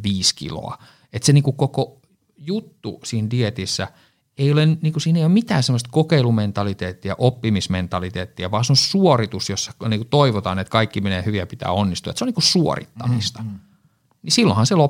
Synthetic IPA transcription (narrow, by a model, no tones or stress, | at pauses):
ʋiːskḭlo̰ɑ̰ | et̪seniːŋkukoko | jut̪ːṵsiːndiet̪isːæ̰ | eijolenniːŋkusiːneijomit̪æːnsemːost̪kokeilument̪ɑlit̪eːt̪ːijɑ̰ʔopːimisment̪ɑlit̪eːt̪ːiɑʋɑːseosuorit̪usjosːɑ̥niːkut̪oiʋot̪ɑːnet̪kɑikːimeneːhyʋiæpit̪æ̰ːonːist̪uɑet̪seoniːkussuo̰rḭt̪ːɑmist̪ɑ̥ | nisilːõ̰hɑnselo